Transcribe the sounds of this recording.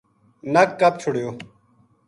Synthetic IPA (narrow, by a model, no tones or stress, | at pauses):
nɐkːɐp̚t͡ʃʰʊɽjoː